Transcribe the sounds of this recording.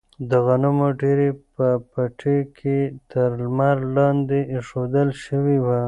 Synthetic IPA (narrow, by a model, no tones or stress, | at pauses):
d̪əɣanʊmoɖeɾepəpaʈʰekʰet̪ʰəɾlmaɾlɑnd̪eʂod̪əlʃəwiwa